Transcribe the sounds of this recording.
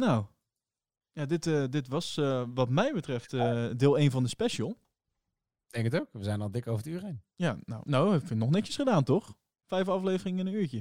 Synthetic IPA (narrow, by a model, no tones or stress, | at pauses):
now | jaːdɪtədɪtʋɑsəʋɑtmɛjbətrɛftədɪːlˠejnvɑndəspɛʃəlˠ | d̥ɛŋkətowkʋəzɛjnɑlˠdɪkowvətyːrejn | jaːno̰wnowɛfənɔχnɛkəsχədaːntɔχ | fɛjfɑflejvərɪŋɪnənyːɹcə